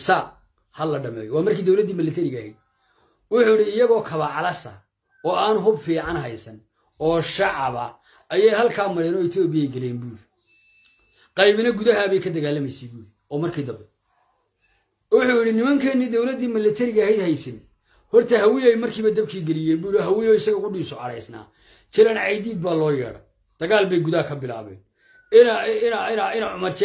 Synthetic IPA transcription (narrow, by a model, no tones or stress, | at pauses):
saːq̚ | hɐlɐɖɐmɛ̰ːjwaːmɐrkʰiːd̪ɐwlɐd̪iːmɪlːɛt̪ʰɛɾɪɣɐhɛ̰jd̪̚ | wʊħuːjɪɽɪɪjɐɣɔːkʰɐβɐʕɑlɐsɐ̰ | ɔːaːnɦʊbfiːʕɑnɦɐjsɐn | ɔːʃɑʕɑβɐ̰ | ɐjɛjhɐlkʰaːmɐɾɛːnɔːɪt̪ʰɔːbɪjɛjɡɐlɛːnbuːɾ | qɑjβɪnɐɡʊðɐɦaβɛjkʰɐd̪ɐɣaːlːɐmɛjsɛjbuːj | ɔːmɐrkʰiːd̪ɐbɛ | wʊħuːjɪɽɪnɪmɐŋkʰɛnːid̪ɔwlɐd̪iːmɪlːɐt̪ʰɐɾɪɣɐhɛjd̪hɛjsɪn | hɔrt̪ʰɐhɐwɪjɛjmɐrkʰiːβɐd̪ɐb̚kʰiːɡɛlɪjɛbuːɾɔɦɐwɪjɔːɪsɐɣɐkʰʊɖiːsɔɐɽɛjsna̰ː | t͡ʃɛlɐnʕɑjd̪iːd̪̚baːlɔːjɛ̰ːɽɐ̰ | d̪̥ɐɣaːlbɛjɡʊðɐkʰɐbɪla̰ːβɛ̰ːn | ɪɪɪnɪnaʕʊmɐrt͡ʃʰ